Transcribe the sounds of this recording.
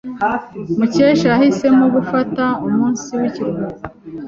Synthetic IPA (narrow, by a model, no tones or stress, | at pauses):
muceːʃahise̞muɡufataumuːnsiwiciɾuɡuɡo